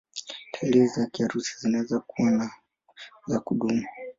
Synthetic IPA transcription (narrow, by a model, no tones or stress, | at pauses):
tʰaɛlɛzakiaɾusi̥zinaɛzakuwana | zakuɗumu